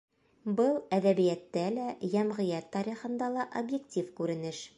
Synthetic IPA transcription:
bɤlˠæðæβijæt̪ːælæjæmʁɤ̆jæt̪ːɑɾʲiχɤ̆nd̪ɑlˠɑʔobjektʲifkʉɾɘ̆nɘʃ

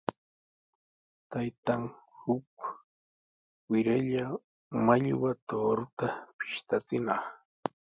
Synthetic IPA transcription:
t̪ajt̪aŋ | hʊk | wɪɾaʎa | maʎwat̪oːɾʊt̪apɪ̥ʃt̪at͡sɪnɑχ

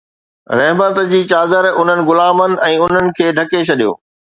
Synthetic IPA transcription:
ɾɐɦmət̪d͡ʑiːt͡ɕaːd̪əɾʊn̤ənɪ̆ɡʊlaːmənɪ̆ɛ̃ːʊn̤ənɪ̆kʰeːɖʱɐket͡ɕʰɐɗijo̰ː

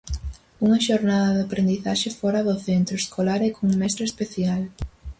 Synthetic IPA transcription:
uŋɐʃoɾnaðɐðapɾend̪iθaʃefɔɾɐðʊθent̪ɾʊeskolaɾekʰoŋuŋmɛst̪ɾespeθjal

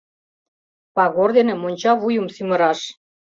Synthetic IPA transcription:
pɑɣord̪enĕmonʲt͡ɕɑβujumsymə̆ɾɑʃ

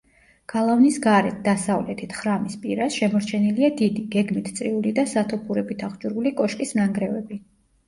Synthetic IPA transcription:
ɡ̥alˠavnisɡaɾɛt̪̚d̪̥asavlɛt̪ʰit̪ʰχɾamispʼiɾasʃɛmɔɾt͡ʃʰɛniliad̪id̪iɡɛɡmit̪ʰt̪sʼɾiulid̪asat̪ʰɔpʰuɾɛbit̪ʰaχd͡ʒuɾulikʼɔʃkʼisnaŋɡɾɛvɛbi

